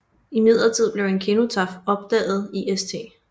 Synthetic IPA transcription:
imið̞̰ˠʁɐt͡sʰið̰ˠb̥le̝ʊe̝nkʰeno̝t͡sʰɑ̈fɒ̽b̥̚d̥ɛ̰ːð̞̩ˠiʔest͡sʰe̝̰ː

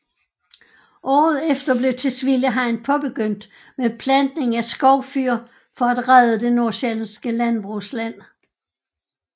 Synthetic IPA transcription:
ʔɒ̰ːð̞̩ˠefd̥ɐb̥le̝ʊt͡sʰe̝sʋiljəɦɑ̈ɪ̰npʰɒ̽b̥e̝ɡ̥øn̰d̥ | mepʰlænd̥ne̝ŋæsɡ̥ɒʊ̰fyɐ | fɒ̽æd̥ʁaðˠəd̥e̝no̝ɐɕelsɡ̥əlænb̥ʁuslæn̰

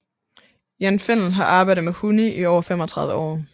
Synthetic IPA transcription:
jænfen̰n̩ɦɑ̈ʔɑ̈ːb̥ɑ̈ɪ̰dð̩ˠmehuniʔiɒʊɐfem̰ɒt͡sʰʁɑ̈ðˠʋəɒ̰ː

